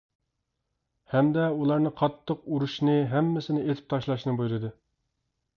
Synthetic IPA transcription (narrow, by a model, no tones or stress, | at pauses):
hɛmd̪ɛulˠɑɾnɨqʰɑt̪ʰːəquɾuʃnɨɦɛmːɪsɪnɪet̪ʰɪ̥p̚t̪ʰɑʃlˠɑʃnɨbujɾɨd̪ɨ